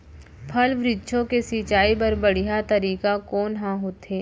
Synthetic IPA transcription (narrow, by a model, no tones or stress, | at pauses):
pʰɐlʋɾɪd̪ʃʰõkesiːt͡ʃaːipɐɾbɐɽ̤ijat̪ɐɾiːkakɔːnɦãɦoːt̪eː